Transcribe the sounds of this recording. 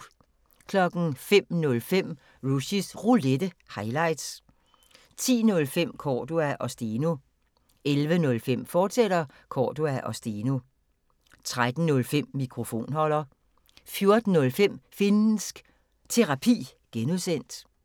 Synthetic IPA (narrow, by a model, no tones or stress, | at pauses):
kʰlɒ̽ɡ̥n̩fem̰nɔ̽lfem̰ | ʁuɕisʁuled̥əhɑ̈ɪlɑ̈ɪd̥s | t͡sʰḭːnɔ̽lfem̰kʰɒːd̥uæʔɒ̽sd̥ino | elʋənɔ̽lfem̰fɒːsed̥ɐ | kʰɒːd̥uæʔɒ̽sd̥ino | t͡sʰʁad̥n̩nɔ̽lfem̰ːikʰʁo̝fo̝̰ːnhɒ̽l̰ɐ | fjo̝ɐd̥n̩ːɔ̽lfem̰finn̩sɡ̥ | t͡sʰe̝ʁɑ̈pʰḭːɡ̥enuðˠsen̰d̥